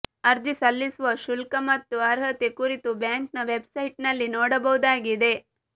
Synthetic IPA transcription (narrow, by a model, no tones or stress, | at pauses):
ɐɾd͡ʒisɐlːisuʋɐʃulkɐmɐt̪ːuɐɾɦɐt̪ekuɾit̪ubjaːŋknɐʋebsɐjʈnɐlːinoːɽɐbɐʋud̪aːɡid̪e̞